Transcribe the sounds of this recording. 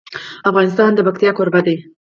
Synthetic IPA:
afɣɑːnɪst̪ɑːnd̪əbɐk̚t̪ijɑːkʰoɾbɐd̪eː

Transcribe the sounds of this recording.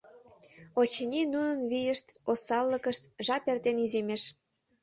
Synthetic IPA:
ot͡ɕənʲinunənβijəʃt̪osɑlːəkəʃt̪ʒɑpert̪enizemeʃ

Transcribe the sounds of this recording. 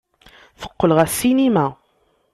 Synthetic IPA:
θə̥qːəlʁæsːinimæ

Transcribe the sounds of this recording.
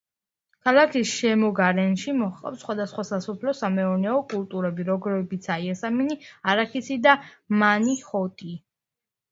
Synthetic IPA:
kʰalˠakʰisʃɛmɔɡaɾɛnʃimɔχʼa̰psχwad̪asχwasasɔpʰlɔsamɛɔɾnɛɔkʼulˠt̪ʼuɾɛbiɾɔɡɾɛbit̪sʰaiɛsaminiaɾakʰisid̪amaniχɔt̪ʼi

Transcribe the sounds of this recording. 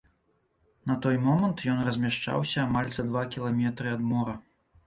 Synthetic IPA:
nɐt̪ɔjmɔmɐnt̪jɔnrɐzʲmʲaʂt͡ʂa̰wsʲɐːmalʲzɐd̪vakʲilˠamʲɛt̪ɾɨɐd̪mɔɾɐ

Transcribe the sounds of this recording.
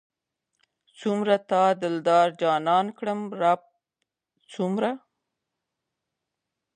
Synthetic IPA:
t͡sumɾat̪ɑd̪ɪld̪ɑɾd͡ʒɑnɑnkɽəmɾap̚ | t͡sumɾa

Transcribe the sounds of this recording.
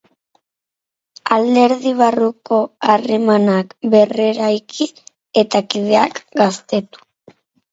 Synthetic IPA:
ald̪e̞ɾðiβ̞aruko̞are̞manakbe̞re̞ɾajki | e̞t̪akið̞e̞akɡast̪e̞t̪u̥

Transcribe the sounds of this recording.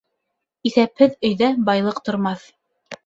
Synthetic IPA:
iθæphɘðɵ̆jðæbɑjlˠɤqt̪ŏɾmɑθ

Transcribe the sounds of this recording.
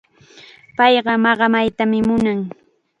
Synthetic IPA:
pɑjɢɑmɑɢɑmajt̪amɪmʊnaŋ

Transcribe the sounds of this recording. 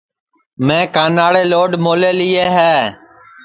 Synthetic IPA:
mẽːkaːnaːɽeːloːɖmoːleːlɪːeːɦɛː

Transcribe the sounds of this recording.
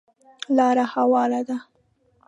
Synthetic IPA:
lɑɾahawɑlad̪a

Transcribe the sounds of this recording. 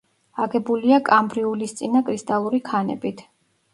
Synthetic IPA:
aɡɛbuliakʼambɾiulist̪sʼinakʼɾist̪ʼalˠuɾikʰanɛ̰bit̪ʰ

